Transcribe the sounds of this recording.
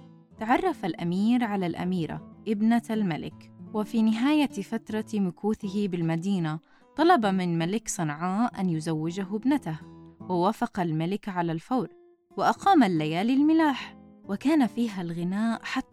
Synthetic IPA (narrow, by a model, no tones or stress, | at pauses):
t̪aʕɑrˤːɑfalʔamiːɾʕalalʔa̰miːɾa̰ʔɪbnalmalɪ̰kwɪfinɪɦaːjafat̪ɾˤɑmʊkuːθɪɦɪbɪlmad̪iːna | t̪ˤɑlɑbamɪnmalɪksˤɨnʕaːʔanjʊzawːɪd͡ʒaɦbnat̪ahwɪwaːfɑqɑlmalɪkʕalalfawɾ | wɪʔaqɑːmalːajaːlɪlmɪlaːħ | wɪkaːnafiːɦalɣɪnaːʔħat̪ː